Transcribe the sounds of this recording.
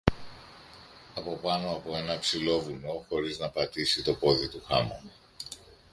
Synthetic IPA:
ɐpo̞pɐno̞ɐpo̞e̞nɐpsilo̞vuno̞xo̞ɾiznɐpɐt̪isit̪o̞ko̞ðit̪uxɐmo̰

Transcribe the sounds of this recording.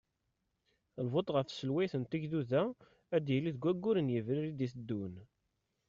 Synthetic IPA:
lvot̪ˤʁəfsəlwæjθənt̪iʝðuðæ | æd̪jəlːiðɡʷæɡːʊɾənjəvɾiɾid̪iθəd̪ːun

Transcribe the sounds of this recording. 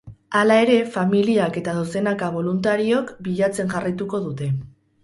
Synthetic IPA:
alae̞ɾe̞familiake̞t̪aðose̞nakaβ̞o̞lunt̪aɾio̞kbiʎat͡se̞ŋʝarajt̪uko̞ðut̪e̞

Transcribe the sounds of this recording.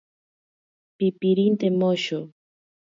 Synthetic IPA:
pipiɾint̪emoʃo

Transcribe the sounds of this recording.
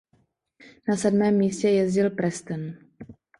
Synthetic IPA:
nasɛdmɛːmːiːscɛjɛzɟɪlpɾɛst̪ɛn

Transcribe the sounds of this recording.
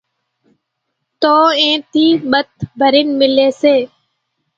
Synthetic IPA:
t̪oːẽːt̪iːɓət̪̚bʱəɾɪnmɪleːseː

